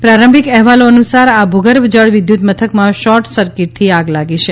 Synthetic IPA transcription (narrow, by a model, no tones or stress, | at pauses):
pɾaɾəmbʱikɛɦʋaloənusaɾabʱuɡəɾbd͡ʒəɭʋɪd̪jut̪mət̪ʰəkmãʃɔʈsəɾkɪʈ̚t̪ʰiaɡlaɡiʃe